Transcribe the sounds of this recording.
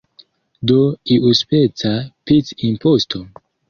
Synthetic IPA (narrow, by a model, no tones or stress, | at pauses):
d̪oiʔuspet͡sapit͡sinpost̪ʰo